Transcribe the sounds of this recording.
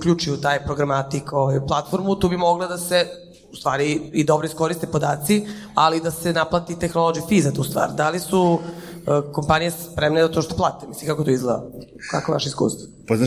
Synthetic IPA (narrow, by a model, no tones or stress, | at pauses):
ukʎʲuːt͡ʃujut̪aːjpɾoɡɾamat̪ikoʋajplˠat̪fo̞ɾmut̪uːbimo̞ɡlˠad̪ase | u̥st̪vaːɾiid̪o̞bɾoiskoɾist̪epod̪aːt̪si | alid̪asenaplˠat̪it̪exnolod͡ʒifiːzat̪uːst̪ʋa̰ːɾd̪alisu | ko̞mpanijespɾemned̪at̪oʃt̪oplˠaːt̪emisliŋkakot̪oizled̪a̰ | ka̰koʋa̰ʃeiskṵːst̪vo̥ | pozna